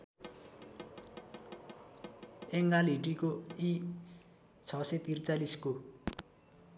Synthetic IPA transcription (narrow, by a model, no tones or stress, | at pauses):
eŋɡaliʈikoi | t͡sʰʌsʌt̪irt͡salisko